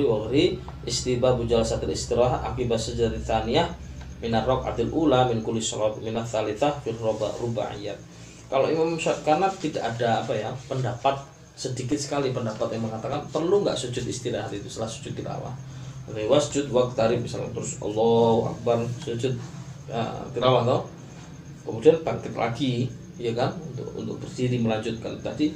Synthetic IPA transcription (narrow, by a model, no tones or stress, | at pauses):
iwaɾi | ʔɪst̪ibabud͡ʒalasat̪alḭst̪iɾaɦa̰kibasəd͡ʒaɾiθaniahmɪnarɔka̰d̪ilʔulamɪnkulisɔlat̪̚minaθaliθahfirɔbaruba̰ʕḭjat̪̚ | kaloʔimamʃaʔkanap̚t̪ida̰ʔadaːpajapəndapat̪̚ | sədikɪt̪̚sə̥kalipəndapat̪jaŋməŋat̪akanpərluŋɡa̰ʔsud͡ʒʊt̪ist̪ilaɦat̪it̪ust̪əlahsu̥d͡ʒʊt̪̚ːiɾa̰wa̰hrewasu̥d͡ʒʊt̪̚wak̚t̪aɾɪmisalat̪əɾʊsɔ̰lːɔa̰k̚barsud͡ʒʊt̪̚ə̰t̪iɾawaht̪oh | kəmudianb̥aŋkɪt̪lʔa̰ɡi | jakanunt̪ʊ̰kṵnt̪ʊk̚b̥ərdiɾiməlaɲd͡ʒʊt̪̚kant̪adi